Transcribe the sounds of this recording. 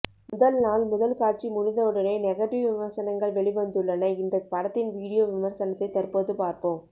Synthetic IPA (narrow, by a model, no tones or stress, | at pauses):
mʊðɐlnaːlmʊðɐlkaːʈ̚t͡ʃimʊnɪnðɐɯɽɐnɐɪnɛɣɐʈːɪʋʋɪmɐɾsɐnɐŋɡɐɭʋɛɭɪʋɐnd̪ɯɭːɐnɐɪnd̪ɐpɐɽɐt̪ːɪnʋiːɽɪjoːʋɪmɐɾsɐnɐt̪ːɐɪt̪ɐɾpoːðɯpaːɾpoːm